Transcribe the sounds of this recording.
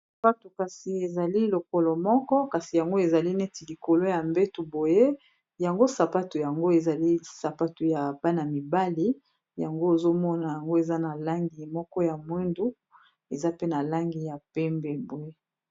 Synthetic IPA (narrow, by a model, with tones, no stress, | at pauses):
sa˨pa˦tu˨ka˨si˨e˨za˨li˦lo˨ko˨lɔ˨mɔ˦kɔ˦ka˨si˨ja˨ŋɡo˦e˨za˨li˦ne˦ti˨li˨ko˨lo˦ja˨mbe˦tu˨bo˨je˦ | ja˨ŋɡo˦sa˨pa˦tu˨ja˨ŋɡo˦e˨za˨li˦sa˨pa˦tu˨ja˨b̥a˦na˨mi˨ba˦li˦ | ja˨ŋɡo˦e˨zo˦mɔ˦na˨ja˨ŋɡo˦e˨za˦na˨la˦ŋɡi˨mɔ˦kɔ˦ja˨mwe˦ndu˦ | e˨za˦pe˦na˨la˦ŋɡi˨ja˨pɛ˦mbɛ˦bo˨je˦